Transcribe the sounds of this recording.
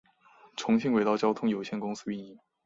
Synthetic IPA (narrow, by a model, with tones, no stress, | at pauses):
ʈ͡ʂʰʊ˧˥ŋɕi˥˧ŋwe˧˥ɪt̪ɑ˥ʊt͡ɕjɑ˥ʊt̪ʰʊ˥ŋjo˨˩ʊɕjɛ˥˩nkʊ˥ŋsɹ̩˥y˥˧ni˥˩ŋ